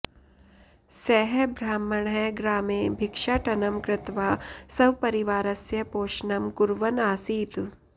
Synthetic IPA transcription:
sɛɦɛbʱɾaːmɐɳ̃ɦɛɡɾaːmẽːbʱɪkʂaːʈɐnɐmkɾɪt̪ʋaːsɐʋpɐɾiʋaːɾɐsjɐpoːʃnɐmkʊɾʋɐnaːsiːt̪

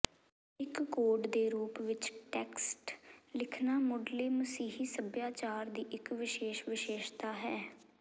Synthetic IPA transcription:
ɪkɡoːɖd̪eːɾuːpʋɪt͡ʃʈɛːksʈlɪkʰnaːmʊɖleːməsiːɦiːsəbjaːt͡ʃaːɾd̪iːʔɪkʋɪʃeːʃʋɪʃeːʃt̪aːɦɛː

